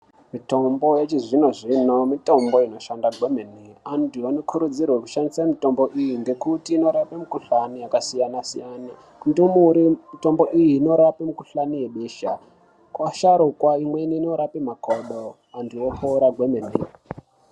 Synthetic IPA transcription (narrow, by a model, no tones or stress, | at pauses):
mito̞mbo̞jet͡ʃiʐino̞ʐinomito̞mbo̞ino̞ʃandaɡwe̞meniandiwanokʰuɾud͡zirweku̥ʃandisamito̞mbo̞ʔijiŋɡe̞kutiːno̞ɾapemukuɬanijakasijanasḭjaːna | ndumuɾimito̞mbo̞ʔijiːno̞ɾapemukuɬanije̞ɓeːʃa̰ | kwaʃaɾukwaimwe̞niːno̞ɾapimakoɗo | andiwopʰouɾaɡʱwemenḭ